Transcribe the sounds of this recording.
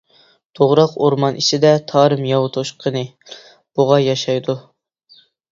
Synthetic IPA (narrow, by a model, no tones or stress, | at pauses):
t̪ʰoʁɾɑqoɾmɑnʔit͡ʃ̪ɪd̪ɛt̪ʰɑːɾɨmjɑwt̪ʰoʃqʰənɨ | b̥uʁɑjɑʃɑjd̪u